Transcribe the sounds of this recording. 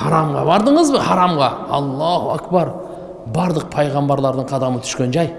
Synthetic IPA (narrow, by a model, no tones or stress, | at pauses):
hɑɾɑmʁɑ̰bɑɾd̪əɴəzbɪhɑɾɑmʁɑɑ̰lˠːɑhuækbɑɾ | bɑɾd̪ˠəq̚pʰɑjʁɑmbɑɾlˠɑɾd̪əɴqʰɑd̪ɑmət̪ʰʏ̥ʃkʲe̞nʒɑj